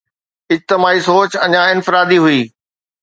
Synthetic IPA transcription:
ɪd͡ʑt̪ɪmaːisoːt͡ɕɐɲãɪnfɪɾaːd̪iɦʊiː

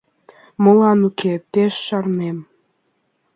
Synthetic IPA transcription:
mɤ̆lɑnukʰet̪eʃːɑrnem

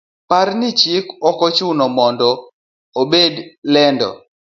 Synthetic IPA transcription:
parnɪt͡ʃikɔkɔt͡ʃunɔmɔndɔ | obedlɛndɔ̰

